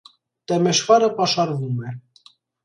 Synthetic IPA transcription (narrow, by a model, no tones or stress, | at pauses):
t̪ɛmɛʃvɑɾəpɑʃɑɾvumɛ